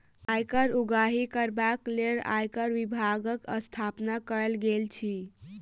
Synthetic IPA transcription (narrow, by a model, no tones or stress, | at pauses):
ajkəɾuɡaɦikəɾbakleɾa̰jkəɾʋibʱaɡəkə̰st̪ʰapnakəɾlɡelt͡ʃʰi